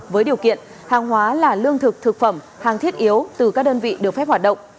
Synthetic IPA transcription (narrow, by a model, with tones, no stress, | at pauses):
vəː˨˦jɗi˨˩əwkḭ˧˨ən | haː˨˩ŋɦwaː˨˦laː˨˩lɨ˧əŋt̪ʰɨ˨˩k̚t̪ʰɨ˨˩k̚fə˧˩m | haː˨˩ŋt̪ʰi˦˥ət̚ʔi˨˦əwt̪ɨ˨˩kaː˦˥k̚ɗəː˧nvḭ˧˨ɗɨ˨˩ək̚fɛ˦˥p̚ha˨˩ɗə̰˧˨ŋ͡m